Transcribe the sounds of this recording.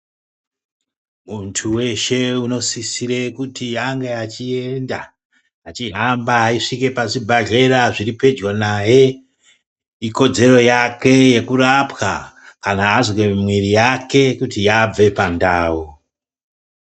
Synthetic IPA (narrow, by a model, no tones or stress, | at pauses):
muntʰuwe̞ʃe̞uno̞sisiɾekutijaŋɡeat͡ʃie̞ndaː | t͡ʃiɦambaiʂike̞paʐibʱaɮe̞ɾaʐiɾipe̞d͡ʒwonaje̞ | iko̞d͡ze̞ɾo̞jake̞je̞kurapwa̰ | kanaːzwemwiɾijake̞kutijab͡ve̞pandaːwu